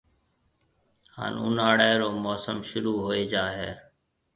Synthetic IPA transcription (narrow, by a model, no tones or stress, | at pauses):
ha̰ːnʊ̰naːɽaːɾoːmoːsəmʃʊɾuːɦoːeːd͡ʒaːɦḛː